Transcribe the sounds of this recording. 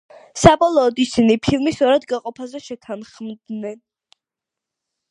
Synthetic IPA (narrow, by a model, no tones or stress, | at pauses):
sabɔlˠɔːd̪isinipʰilˠmisɔɾad̪ɡaqʼɔpʰazɛʃɛt̪ʰanχmd̪nɛn